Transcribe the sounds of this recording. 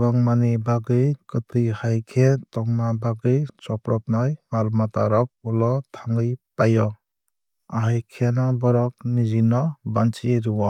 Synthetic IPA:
baŋmanibaɡɯjkɯtʰɯjhajkʰetɔŋmabaɡɯjt͡ʃɔpɾɔp̚najmalmata̰ɾɔk̚ulɔtʰaŋɡɯjpajɔ | aɦajkʰeanabɔɾɔk̚nizinɔbant͡ʃiɾɯwa

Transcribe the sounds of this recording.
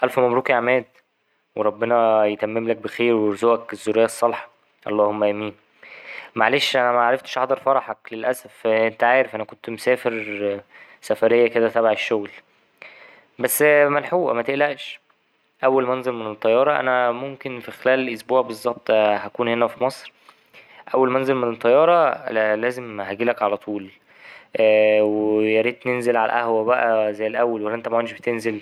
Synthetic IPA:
ʔælfæmæmɾuːkiʕamæːd̪ | weɾˤɑbːenɑjet̪æmːemlæk̚bexeːɾweɾozuʔækezːoɾejːæsˤːɑlħɑ̥ | ʔɑ̰lˤːɑːhomːæʔæmiːn | maʕaleːʃʔænæmæʕaɾˤeft̪ʃʔɑhd̪ˤɑɾˤfɑɾˤɑħɑklelʔæsæfʔent̪æʕaːɾefʔænækont̪msæːfeɾ | sæfæɾejːæked̪æt̪æbaʕeʃːoɣl | bæsːmænħuːʔæ̰mæt̪eʔlæʔʃ | ʔæwːælmænzelmenet̪ˤːɑjːɑːɾˤɑʔæ̰næmomkenfixelæːlʔosbuːʕbezˤːɑb̚t̪ˤhækuːnhenæfimɑsˤɾ | ʔæwːælmænzelmenet̪ˤːɑjːɑːɾˤɑlæːzemhæɡiːlækʕalæt̪ˤʰuːl | ʔwejæɾit̪nenzelʕa̰læ̰ʔæhwæbæʔæzæjːelʔæwːælwælːæʔent̪æmæenʃbet̪enzel

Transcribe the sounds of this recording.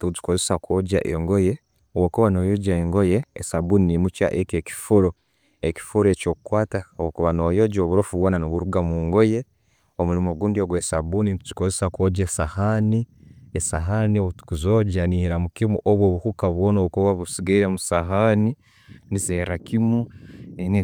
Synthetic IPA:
tuti̥kozesakʰo̞ːɟa̰ʔeŋɡoje | owokuβano̞ːjoɟaeŋɡojeːsabuninimut͡ʃa̰ʔekeki̥fuɾo | eki̥fuɾe̞co̞ːkukwaːtawokuβano̞ːjoɟoβuɾofuβwoːnanoβuɾuɡamuːŋɡoje̞ | omuɾimoɡuːndioɡwesabuninti̥kozesakoɟesahaniesa̰ɦanioβutu̥kuzoɟaniɾamukimṵʔoβwoβukukaβwoːnoβkuβaβusiɡaiɾemusaɦani | nizeɾakimuene

